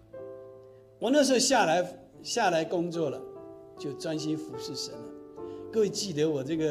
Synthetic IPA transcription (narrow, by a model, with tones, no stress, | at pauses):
wɔ˨˩na˥˨ʂ̬ə˥˩ɕa˥˩la˧˥ɪ | ɕja˥˨la˧˥ɪkʊ˥ŋt͡swɔ˥˩lə˨t͡ɕjo˥˩ʊt͡swa˦nɕi˦˥nfu˧˥ʂɻ̩˥˩ʂə˧˦nə˨kə˥we˨˩t͡ɕi˥˩d̪ə˧˦wɔ˨˩t͡sə˥˩ɡə˨